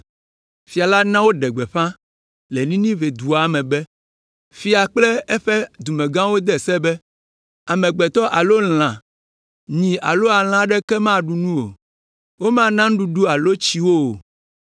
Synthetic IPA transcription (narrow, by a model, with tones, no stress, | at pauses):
fi˨a˨la˦nã˦wo˦ɖɛ˨ɡ͡bɛ˨ɸã˦ | le˨nĩ˦nĩ˦ve˨d̪u˨a˨mɛ̃˨bɛ˦ | fi˦a˨k͡plɛ˦ɛ˦ɸɛ˦d̪u˨mɛ̃˨ɡã˦wo˦d̪ɛ˦˨sɛ˦bɛ˦ | a˨mɛ̃˨ɡ͡bɛ˨t̪ɔ˦ʔa˨lo˦l̃ã˨ | ɲĩ˨a˨lo˦a˨l̃ã˦ɖɛ˦kɛ˦mã˦ɖu˨nũ˦o̰˨ | wo˦mã˦nã˦ŋ̩˦ɖu˨ɖu˦a˨lo˦t͡ɕi˦wo˦˨